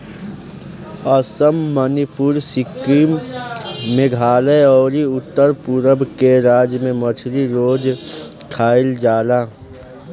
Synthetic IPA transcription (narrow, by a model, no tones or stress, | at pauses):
ɔsəmːənipʊɾsɪkiːm | mẽɡʱaːləɔːɾiʊt̪ːəɾpuɾəbkeɾaːd͡ʒəmẽmət͡ʃʰɾiɾoːd͡ʒ | kʰaːɪld͡ʒaːlaː